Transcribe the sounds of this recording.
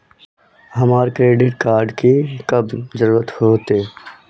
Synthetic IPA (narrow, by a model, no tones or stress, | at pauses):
ɦɐmaːɾkɾeːɖɪʈ̚kaːɾɖkikɐbzəɾuːɾət̪hoːt̪eː